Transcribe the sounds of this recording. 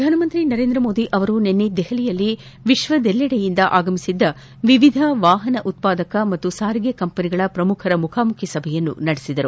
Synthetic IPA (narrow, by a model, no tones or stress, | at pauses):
pɐd̪ʱaːnɐmɐnt̪ɾinɐɾe̞ːnd̪ɾɐmo̞ːd̪iʔɐʋɐɾunenːid̪ɛɦɐlijɐlːi | ʋiʃʋɐd̪ɛlːɐɽɛjind̪ɐʔaːɡɐmisid̪ːɐ | ʋiʋid̪ʱɐʋaːɦɐnɐʔut̪̚paːd̪ɐkɐmɐt̪ːusaːɾiɡekɐmpɐniɡɐɭɐpɾɐmukʰɐɾɐmukʰaːmukʰjɐsɐbʱɛjɐnːṵnɐɽesid̪ɐɾu